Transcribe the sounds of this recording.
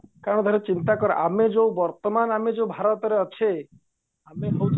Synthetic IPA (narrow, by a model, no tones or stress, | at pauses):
kaɾɔɽ̃d̪ʱɔɾet͡ʃint̪akɔɾeʔamed͡ʒowbɔɾt̪ɔmanamed͡ʒowbʱaɾɔt̪ɔɾeɔt͡ʃʰe | ameɦowʰ